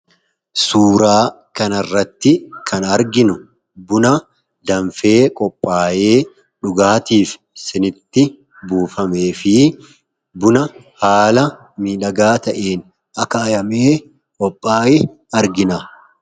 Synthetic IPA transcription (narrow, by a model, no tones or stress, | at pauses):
suːɾaː | kɐnɐrːɐt̪ːɪkʰɐnɐɾɡɪnʊ | bʊnɐ | d̪ɐɱfe̞ːkʼɔpʼːaːje̞ː | ᶑʊɡaːt̪iːf | sɪnɪt̪ːɪ | buːfɐme̞ːfɪ | bʊnɐ | haːlɐ | miːᶑɐɡaːt̪ɐʔeːn | ɐkɐːjɐmeː | kʼɔpʼːaːjɪ | ɐɾɡɪna